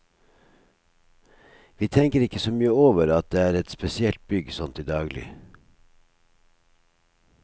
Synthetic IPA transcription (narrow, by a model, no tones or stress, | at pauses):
ʋiːt̪ʰɛŋkəɾɪkəsoːmyːəoːʋəɾɑt̪̚d̪eːæːɾɛt̪spɛsɪɛlt̪̚bʏɡsɔnt̪iːd̪ɑːɡlɪ̰